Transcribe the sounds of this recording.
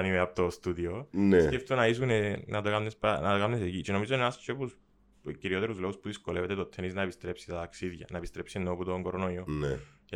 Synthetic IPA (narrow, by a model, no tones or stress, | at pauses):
nimeɐpot̪ost̪uðionesceft̪onɐisunenɐt̪okamnespɐnɐt̪okamnesecit͡ʃeno̞mizoinenast͡ʃʰepus | ciɾio̞t̪e̞ɾuzlo̞ɣuspuðisko̞leve̞t̪e̞t̪ot̪ʰːeniznɐepist̪ɾe̞psi̥t̪ɐt̪aksiðʝɐ̰nɐepist̪ɾepsienːoput̪oŋɡoɾonoione